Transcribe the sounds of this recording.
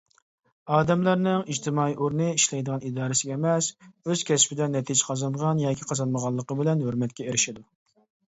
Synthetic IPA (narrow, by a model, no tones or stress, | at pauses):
ɑːd̪ɛmlˠɑɾnɨŋid͡ʒt̪ʰɪmɑːiʔoɾnɨiʃlɛjd̪əʁɑnid̪ɑːɾɨsɪɡʲɛːmɛsøz̥kʲʰɛspɪd̪ɛnːɛt̪ʰid͡ʒqʰɑzɑnʁɑnjɑːkʲʰiqʰɑzɑnməʁɑlˠːəqəbɪlɛnhøɾmɛt̪kʲɛeɾɪʃɪd̪u